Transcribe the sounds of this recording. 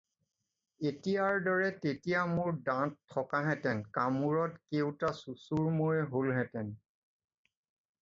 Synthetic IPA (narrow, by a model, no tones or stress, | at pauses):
etijaɹdɔɹɛtetijamʊɹdãtʰːɔkaɦɛtɛnkamuɹɔtkewtasusuɹmojɦolɦɛtɛn